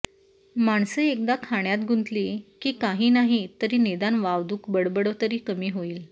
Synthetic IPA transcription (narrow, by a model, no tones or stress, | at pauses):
maɳsəek̚d̪akʰaɳjat̪̚ɡʱunt̪liːkiːkaɦiːnaɦit̪əɾiːned̪anʋaʋd̪uːkbəɽbəɽəʋt̪əɾiːkəmiːɦoiːl